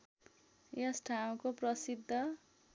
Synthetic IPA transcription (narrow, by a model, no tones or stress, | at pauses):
jesʈʰaw̃koprʌsid̪ʱːʌ